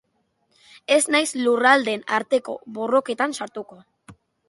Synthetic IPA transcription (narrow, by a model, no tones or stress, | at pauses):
e̞znajslurald̪e̞naɾt̪e̞ko̞̰βo̞ro̞ke̞t̪ansaɾt̪uko̞